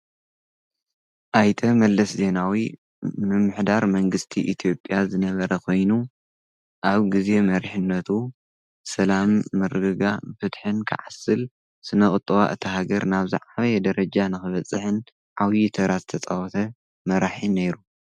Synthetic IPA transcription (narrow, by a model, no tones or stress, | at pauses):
ʔajt̪ʰɐmɐlːɐsze̞nawi | mɨmːɨħd̪aɾmɐŋɡɨst̪ʰiʔit̪ʰijo̞pʼːjazɨnɐβɐɾɐkʰo̞jnu | ʔaβɡize̞mɐɾħɨnːɐt̪ʰu | sɐlamːɨɾɨɡɨɡafɨt̪ħɨnkʰɨ̰ʕasɨl | sɨnɐχʼɨt̪ʼːɨβa̰ʔɨt̪ʰɐɦaɡɐɾnaβzɨ̰ʕaβɐjɛd̪ɐɾɐd͡ʒanɨxɨβɐt͡sʼːɨħɨn | ʕawjit̪ʰɐɾazɨt̪ʰɐt͡sʼawɔt̪ʰɐ | mɐɾaħinejɾu